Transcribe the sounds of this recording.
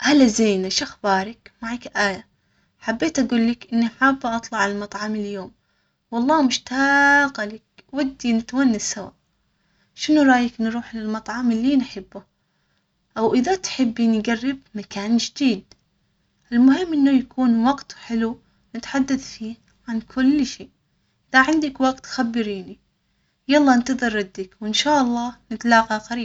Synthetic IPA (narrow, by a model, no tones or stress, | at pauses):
ʔalːazeːnaʃʔaxbɑːɾˤɪkmaʕakʔaːja | ħabːeːt̪ʔaɡuːlːɪkʔɪnːiħaːbːaʔɑt̪ˤlɑʕalmɑt̪ˤʕɑmɪljoːm | wɑlˤːɑːmʊʃt̪aqalɪk̚wad̪ːinɪt̪wanːasawa̰ːʔ | ʃɪnuɾˤɑːjɪknɾuːħlɪlmɑt̪ˤʕɑmɪlːinħɪbːʊ | ʔawʔɪðat̪ħɪbːinɡarːɪbmakaːnd͡ʒɪd̪iːd̪ | ʔɪlmʊhɪmːʔɪnːʊjakʰuːnwɑɡt̪ħɪlu | nɪt̪ħad̪ːaθfiː | ʕankʰʊlːʃeː | ʔɪðaʕɪnd̪ɪkwaɡt̪xabːɪɾiːni | jɑlˤːɑːʔɪnt̪ɨðˤɨrˤːɑd̪ːakwɪnʃaːʔɑlˤːɑːnɪt̪alɑːqɑqaɾiːb